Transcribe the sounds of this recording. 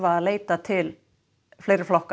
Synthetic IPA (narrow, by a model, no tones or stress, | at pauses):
vaːðleːjt̪at̪ʰɪl | fleːjɾɪɾ̥flɔhk